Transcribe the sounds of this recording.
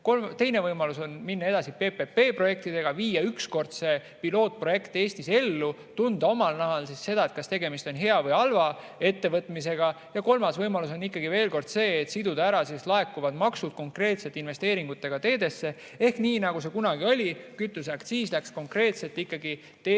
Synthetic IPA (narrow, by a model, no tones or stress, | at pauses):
kot̪e̞jne̞vɤjmɑluso̞nminːɑe̞d̪ɑsipeːpepe̞ːpro̞je̞k̚t̪id̪e̞ɡ̥ɑviːjɑyksko̞rd̪̥se̞ | pilo̞ːt̪̚pro̞je̞kt̪e̞ːsʲt̪ise̞lːu | t̪und̪̥ɑomɑlnæɦɑlsisse̞d̪ɑe̞t̪kɑst̪e̞ɡe̞mist̪o̞nɦe̞ɑvɤjɑlvɑ | e̞t̪ːe̞vɤt̪ˑmis̬e̞ɡ̥ɑ | jɑko̞lmɑsvɤjmɑlus̬o̞nikːˑɑɡ̥ive̞ːlko̞rd̪̥se̞ːt̪sid̪ud̪æɾɑsislɑe̞kːuvɑd̪mɑksud̪̥̚ko̞ŋkre̞ːt̪se̞t̪ːˑinve̞st̪e̞ːɾiŋɡ̥ut̪ːˑe̞ɡ̥ɑt̪e̞ːd̪e̞sːe̞ | e̞hkniːnɑɡ̥use̞kunɑɡio̞lʲikyt̪ːˑusækt̪siːslæksko̞ŋkre̞ːt̪se̞lt̪ːˑikːɑɡi | t̪e